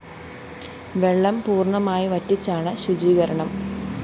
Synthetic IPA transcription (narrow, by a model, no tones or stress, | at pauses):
ʋeɭːɐmpuːrɳɐmaːjiʋɐtːit͡ɕːaːɳɨɕud͡ʑiːɣɐɾɐɳɐm